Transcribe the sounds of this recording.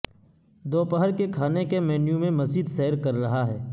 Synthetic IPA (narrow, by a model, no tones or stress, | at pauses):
d̪oːpəɦəɾkekʰaːnekemɛːnjũmẽmɐzd͡ʒiːd̪sɛːəɾkɐɾːɐɦaɦɛː